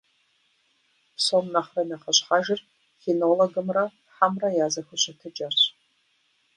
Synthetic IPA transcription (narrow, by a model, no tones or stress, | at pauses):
pʰsonnaχranaχaɕʷħaʒɪr | xenoloɡɨmra | ħamrajaːzɐxɨɕʷʰatʰɨd͡ʒart͡ɕʷʰ